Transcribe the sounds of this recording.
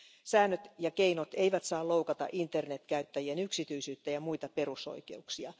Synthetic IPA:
sæːnːøt̪jɑkeinot̪eiʋæt̪sɑːlowkɑt̪ɑ̰ʔint̪ːernet̪kæyt̪ːæjienyksit̪yisyːt̪ːæjɑmuit̪ɑpe̞ruso̰ikeuksiɑ

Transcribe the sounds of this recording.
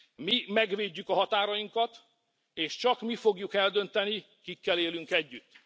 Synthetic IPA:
mimɛɡʋeːɟːykɒɦɒt̪aːɾɒjiŋkɒt̪ | eːʃt͡ʃɒkmifo̞ɡjukɛld̪ø̞nt̪ɛni | kikːɛleːlyŋkɛɟːyt̪ː

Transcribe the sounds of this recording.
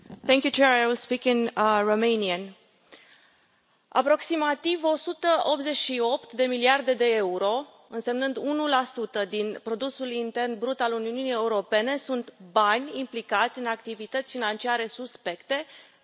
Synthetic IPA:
θɛŋkʲjut͡ʃeɾajwilspikinromejniən | a̰pɾo̞ksimat̪ivo̞sut̪əʔo̞p̪ze̞t͡ʃʃio̞pt̪d̪e̞miliard̪e̞d̪e̞euɾo̞ | ɨnse̞mnɨnd̪unulasut̪əd̪inpɾo̞d̪usulint̪e̞rnbɾut̪aluniununijeuɾo̞pe̞ne̞sunt̪banʲimplikat̪sʲɨnakt̪ivit̪ət̪sʲfinant͡ʃiaɾe̞suspe̞kt̪e̞

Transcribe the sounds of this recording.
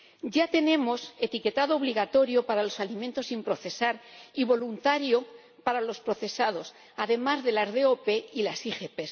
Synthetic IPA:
ɟ͡ʝat̪e̞nẽ̞mo̞se̞t̪ike̞t̪aðoːβ̞liɣ̞at̪o̞ɾjo̞paɾalo̞salimẽnt̪osimpɾo̞θe̞saɾiβo̞lunt̪aɾjo̞ | paɾalo̞spɾo̞θe̞sað̞o̞s | aðe̞mazðe̞lazðe̞ope̞ilasixepes

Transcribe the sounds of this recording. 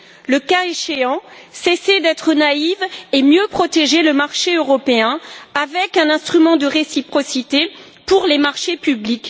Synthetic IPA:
ləkaeʃeɑ̃sesed̪ɛt̪χənaivemjøpχɔt̪eʒeləmaʁʃeøʁɔpeɛ̃avɛkɛ̃nɛ̃st̪χymɑ̃d̪əʁesipχɔsit̪e | puʁlemaʁʃepyblik

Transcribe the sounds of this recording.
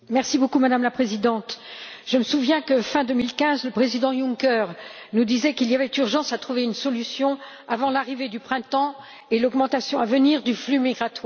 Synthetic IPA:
mɛʁsibokumad̪amlapχezid̪ɑ̃t̪ʒ̥əməsuvjɛ̃kəfɛ̃d̪ømilkʲɛ̃zləpχezid̪ɑ̃jũŋkœʁnud̪izɛkiliavɛt̪yʁʒɑ̃sat̪χuveynsɔlysjɔ̃ | avɑ̃laʁived̪ypχɛ̃t̪ɑ̃ | elɔɡmɑ̃t̪asjɔ̃avəniʁd̪yflymiɡʁat̪waʁ

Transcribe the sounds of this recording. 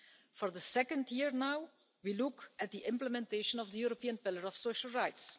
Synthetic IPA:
fɔɹðəsɛkə̃ndjiɹnaw | wilʊkɛt̚d̪iʔɪ̃mpləmɛ̃nteɪʃə̃nɔvd̪əjuɾopiːə̃npɪlˠəɹɔfsoʊʃəlˠɹaɪts

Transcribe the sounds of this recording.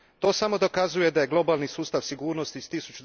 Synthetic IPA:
t̪o̞ːsamo̞d̪o̞kazuje̞d̪aje̞ɡlˠo̞baːlnisuːst̪aʋsiɡuːɾno̞st̪iz̥t̪isut͡ʃud̪

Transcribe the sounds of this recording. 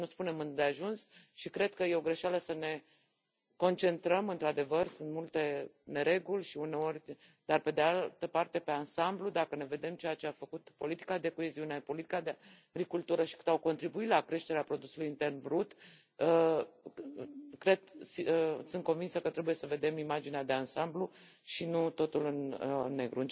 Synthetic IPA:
nuspune̞mɨnd̪eaʒunsʃikɾe̞d̪kəje̞o̞ɡɾe̞ʃaləsəne̞ | ko̞nt͡ʃe̞nt̪ɾəmɨnt̪ɾad̪e̞vərsɨnt̪mult̪e̞ne̞ɾe̞ɡulʲʃiune̞o̞ɾʲ | d̪arpe̞d̪ealt̪əpart̪e̞pe̞ansamblud̪akəne̞ve̞d̪e̞mt͡ʃe̞jat͡ʃe̞afəkut̪po̞lit̪i̥kad̪e̞koe̞ziunepo̞lit̪i̥kad̪ea | ɡɾikult̪uɾəʃi̥kɨ̥t̪awko̞nt̪ɾibuit̪lakɾe̞ʃt̪eɾeapɾo̞d̪usulujint̪e̞rnbɾut̪ | ə | kɾe̞d̪sisɨnt̪ko̞nvinsəkət̪ɾe̞buje̞səve̞d̪e̞mimad͡ʒinead̪e̞ansambluʃinut̪o̞t̪ulɨnnːe̞ɡɾuɨn

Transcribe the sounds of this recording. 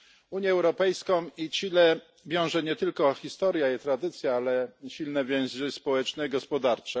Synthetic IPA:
uɲjɛːɛwɾɔpɛjskɔ̃w̃it͡ɕilɛ | vʲjɔ̃w̃ʐɛɲɛt̪ɘlkɔxʲist̪ɔɾjait̪ɾad̪ɘt̪sʲjaalɛɕilnɛvʲjɛ̃zɛspɔwɛt͡ʂnɛiɡɔspɔd̪aɾt͡ʂɛ

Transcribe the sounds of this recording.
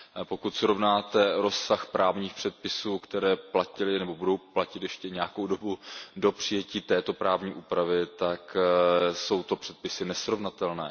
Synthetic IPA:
po̞kut̪sɾo̞vnaːt̪ɛɾo̞sːaxpɾaːvɲiːxpr̝̥ɛt̪̚pɪsuːkt̪ɛɾɛːplacɪlɪnɛbo̞budo̞wplacɪt̪jɛʃcɛɲɛjako̞wdo̞budo̞pr̝̥ɪjɛciːt̪ɛːt̪o̞pɾʔaːvɲiːʔuːpɾavɪt̪ak | so̞wt̪o̞pr̥ɛt̪̚pɪsɪnɛsɾo̞vnat̪ɛlnɛ̰ː

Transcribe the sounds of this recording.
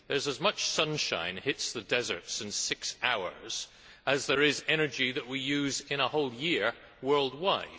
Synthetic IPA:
ðə˞zəzmʌt͡ʃsʌ̃nʃã̰ɪ̃nhɪtsðɨdɛzə̰˞tsɪ̃nsɪksaʊə̰˞z̥ | ɨzðə˞ɪzɛñə˞d͡ʒiðɨʔ̚wijʉzɪ̃ñəhoʊlˠjɪɹ | wɜ˞lˠd̚waɪd̥

